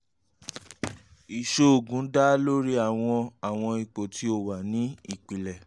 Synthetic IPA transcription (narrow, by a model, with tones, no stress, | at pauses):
i˨ʃo˧o˨ɡũ˨˦da˦lo˦ɾi˦a˦˨w̃ɔ̃˧a˨w̃ɔ̃˧i˨k͡po˨tʰi˦o˦˨wa˨nĩ˨˦i˦˨k͡pi˨lɛ˨